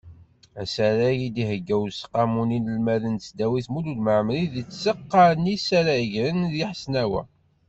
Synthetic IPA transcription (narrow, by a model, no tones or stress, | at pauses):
æsæɾæjid̪ihəɡːæwsə̥qːɑmuninəlmæðənsd̪æwiθmulud̪məʕmliðit͡sːsəqːɑnisaɾæəʝɾənðjiħsnæwæ̰